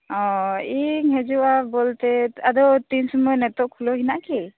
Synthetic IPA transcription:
ɔ̃iŋɦɛd͡ʒuʔabɔlt̪ɛad̪ɔt̪insɔmɔjnɛt̪ɔʔkʰulɔɦinaʔki

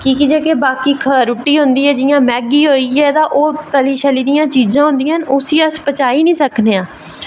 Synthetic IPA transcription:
kiːkid͡ʒeːkeːbaːkiːkʰəɾʊʈːiːɦʊ̃nd̪iːɛːd͡ʒɪjãːmɛːɡiːɦoːiːɛːt̪ãːʔoːt̪əliːʃəliːd̪ɪjãːt͡ʃiːzãːɦʊ̃nd̪ɪijãɦənʊsiːəspət͡ʃaːiːnĩːsəkneːãː

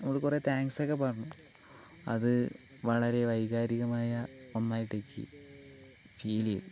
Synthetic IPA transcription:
nɐmːuɭkure̞ːt̪aːŋsokːep̬ɐrɐɲːu | ɐ̰ðɨ | ʋɐɭɐɾe̞ʋɐjɣaːɾiɣɐmaːjɐonːaːjiʈːekʲːɨ̰ | fiːlijɐ̰l

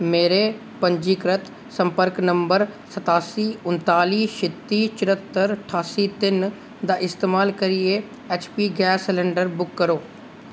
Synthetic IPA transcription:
meːɾeː | pəɲd͡ʒiːkɾət̪ | səmpəɾknəmbəɾsət̪aːsiːʊnt̪aːliːʃɪt̪ːiːt͡ʃɪɾət̪ːəɾʈʰaːsiːt̪ɪn | d̪aːʔɪst̪eːmaːlkəɾɪeː | eːt͡ʃpiːɡɛːslɛ̃ːɳɖəɾbʊkːəɾoː

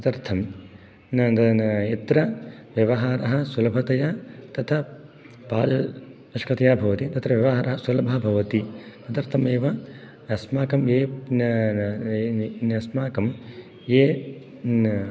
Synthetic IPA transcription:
nɐt̪ɐɾt̪ʰɐm | nɐɐit̪ɾɐʋjɐʋɐɦaːɾɐɦɐ̆sulɐbʱɐt̪ɐjaːt̪ɐt̪ʰɐ | paːd͡ʒɐ | ɐʃkɐt̪ɐjaːbʱɐʋɐt̪it̪ɐt̪ɾɐʋjɐʋɐɦaːɾɐɦɐsulɐbʱɐbʱɐʋɐt̪isɐt̪ɐɾt̪ʰɐmeːʋɐ | ɐsmaːkɐmjeːn | nɐsmaːkɐm | jeː

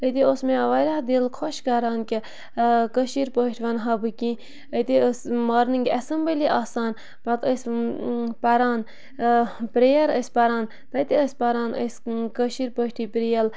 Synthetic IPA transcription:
ət̪iosmẽʋɐɾʲahd̪ilkʰɔʃkɐɾaːnkʲi | kəʃiɾpəʃʈʰʋɐnɦɐbɨkʲĩ | ət̪iəsmaːɾnɨŋɡʲɐsɐmbəliʔaːsaːn | pɐt̪əs | pɐɾaːn | pɾejɐɾəsʲpɐɾaːn | t̪ɐt̪iəsʲpɐɾaːnʔə̰skəʃiɾpəʃʈiːpɾijɐl

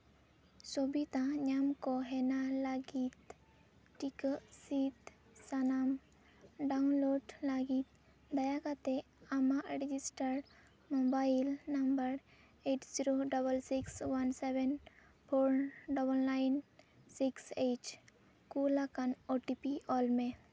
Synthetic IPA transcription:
sɔbit̪ãɲamkɔɦɛnalaɡit̪ | ʈikəʔsit̪ | sanam | ɖaunloɖlaɡit̪̚ | d̪ajakat̪e | amaʔɾɛd͡ʒisʈəɾɖ | mɔbailnambəɾ | eʈziɾoɖɔbəlsikswansɛbɛn | pʰoɾnɖɔbəllajnsikset͡ʃ | kulakanoʈipiɔlme

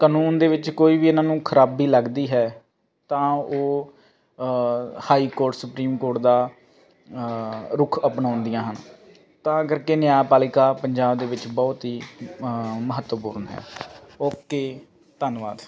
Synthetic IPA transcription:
kaːnuːnd̪eːʋɪt͡ʃkoːiːʋiːɪnãːnũːkʰəɾaːbiːləɡd̪iːɦɛː | t̪ãːoː | haːiːkoːɾʈsʊpɾiːmkoːɾʈd̪aː | ɾʊkʰəpnãːʊnd̪ijãːɦən | t̪ãːəɡəɾkeːnjaːjpaːlɪkaːpəɲd͡ʒaːbd̪eːʋɪt͡ʃbɔːt̪ɦiː | məɦət̪əpuːɾnɦɛ̰ːoːkeː | t̪ənʋa̰ːd̪

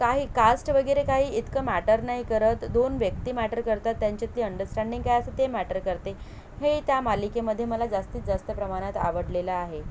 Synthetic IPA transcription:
kaɦiːkasʈʋəɡiɾekaɦiːit̪kəmæʈəɾnaɦikəɾət̪d̪onʋjək̚t̪iːmæʈəɾkəɾt̪at̪ːjaɲt͡ɕat̪liːəɳɖəɾsʈæɳɖiŋɡkajəsət̪emæʈəɾkəɾt̪e | het̪jamalikeməd̪ʱːjeməlad͡zast̪iːt̪d͡zast̪əpɾəmaɽ̃at̪a̰ʋəɽlelaːɦe

